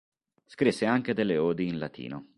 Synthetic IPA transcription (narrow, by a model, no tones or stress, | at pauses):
skɾisːeaŋk̟ed̪elːeoːd̪iːnlat̪ʰḭːno